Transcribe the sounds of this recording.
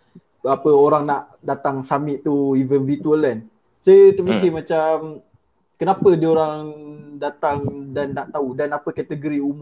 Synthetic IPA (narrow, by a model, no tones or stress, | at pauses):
apəoɾaŋnaʔ | dat̪aŋsamɪʔ̪̚t̪uivənvit̪uəlɛn | sət̪əfikɪmãt͡ʃam | kənapədəoɾaŋdat̪aŋdanːaʔt̪audanapəkat̪əɡoɾiumu